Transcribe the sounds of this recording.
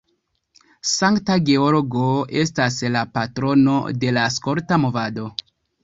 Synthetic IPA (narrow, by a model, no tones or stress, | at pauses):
saŋktaɡe̞oloɡoe̞staslapatɾo̞no̞̰de̞laskoɾtamo̞vado̞